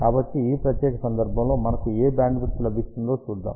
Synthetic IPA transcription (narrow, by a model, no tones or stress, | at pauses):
kaːbɐʈːiiːpɾɐt̪jɛːkɐsɐnd̪ɐɾbʱɐmlo̞ːmɐnɐkueːbaːɳɖʋuɾt̪ulɐbʱist̪und̪o̞ːt͡ʃuːd̪ːa̰ːm